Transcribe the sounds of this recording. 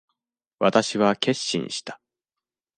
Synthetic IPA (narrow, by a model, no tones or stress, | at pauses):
βat̪aɕiβake̞ɕːḭ̃ɰ̃ɕi̥t̪ḁ